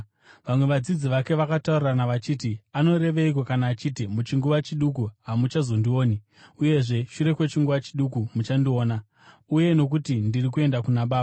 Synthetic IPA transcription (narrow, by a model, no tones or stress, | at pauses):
ʋamwe̞ʋad͡zid͡ziʋake̞ʋakataurranaʋat͡ʃiːtiano̞ɾe̞ʋeik̬o̞kanaːt͡ʃiːtimut͡ʃiŋɡuʋat͡ʃiɗukuɦamut͡ʃazo̞ndio̞ːni | uje̞ʐe̞ʃuɾe̞kwe̞t͡ʃiŋɡuʋat͡ʃiɗukumut͡ʃandio̞ːna | uje̞no̞k̬utindirikue̞ndakunaɓaːa